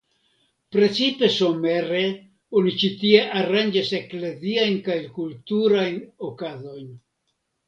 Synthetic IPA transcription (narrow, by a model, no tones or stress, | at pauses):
pɾe̞t͡sipe̞so̞me̞ɾe̞ | onit͡ʃitie̞ʔaɾand͡ʒase̞kle̞ziajnkajkultuɾajno̞kazo̞jn